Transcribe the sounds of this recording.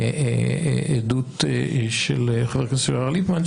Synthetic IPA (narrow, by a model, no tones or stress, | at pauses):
ed̪ut̪ʃelχaveʁkasialipmant͡ʃ